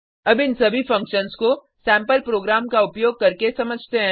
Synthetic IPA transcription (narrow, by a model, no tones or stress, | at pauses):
ɐbɪnsɐbʱifɐ̃ŋkʃənsko | sɛ̃ːmpəlpɾoːɡɾaːmkaʊpjoːɡ̚kɐɾkesɐməd͡ʒʱt̪eɦɛ̃